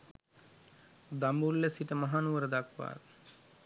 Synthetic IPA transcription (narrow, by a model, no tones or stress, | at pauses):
d̪amulːesiʈ̪əmɐɦaːnuʋəɾɐd̪akʋa̰ːɾ